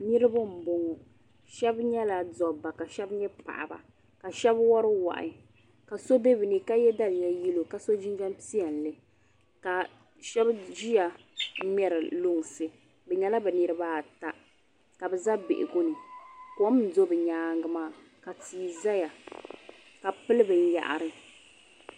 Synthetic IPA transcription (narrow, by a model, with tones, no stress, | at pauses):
nɨ˦ɾɨ˦ba˦m̩˨bo˨ŋɔ˨ | ʃɛ˦bɲɛ˦la˨dɔ˨ba˨ka˨ʃɛ˦bɲɛ˦pa̰˨ʔa̰˨ba̰˨ | ka˨ʃɛ˦bwɔ˦ɾɪ˦wa̰˨ʔɪ̰˨ | ka˨so˦be˦bi˨ni˨ka˦jɛ˦da˦lɪ˨ja˦ji˦lo˨ka˨so˦d͡ʒi˦ŋɡa˦mpi˦a˨n̩˨lɨ˨ | ka˨ | ʃɛ˦bʒi˦ja˨˦ | mɛ˨ɾɨ˨lo˦ŋ˨sɨ˨ | bɛ˨ɲɛ˨la˦bɛ˨nɨ˨˦ɾɨ˦baː˦˨ta˦ | ka˨bɛ˨za˦be˨ʔɪ̰˨ɡʊ˦nɨ˨kɔ˦m̩˨do˦bɛ˨ɲaː˨˦ŋ˦ɡɨ˨maː˦˨ | ka˨tiː˨za˦ja˨ | ka˨pɨ˦lɨ˦bɨ˨n̩˦ja̰˨ʔa̰˨ɾɨ˨